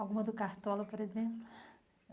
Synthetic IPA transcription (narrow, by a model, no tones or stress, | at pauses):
awɡũmɐd̪ʊkaɾt̪ɔlɐpoɾezẽplʊ